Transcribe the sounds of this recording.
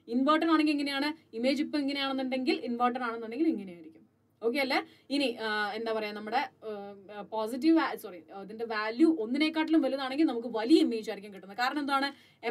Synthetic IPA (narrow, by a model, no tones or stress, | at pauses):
inʋoːʈːɐnaːɳeŋɡileŋːɐne̞jaːɳɨimeːd͡ʑipːɐiŋːɐnejaːɳenːunɖe̞ŋɡilinʋoːʈ̬ːɐnaːɳenːunɖe̞ŋɡiliŋːɐnejaːjiɾikʲːum | oːk̬ːe̞ɐlːe | iniend̪aːpɐrɐjanɐmːuɽe̞ | poːs̬it̬ːiʋsoriiðinde̞ʋaːljuʔo̞nːine̞ːkːaːʈːilumʋɐluɐðaːɳe̞ŋɡilnɐmuk̬ːɨʋɐlijɐimːeːd͡ʑuaːɾikʲːamkiʈːunːɐðɨkaːɾɐɳɐmnðuaːɳɨ | e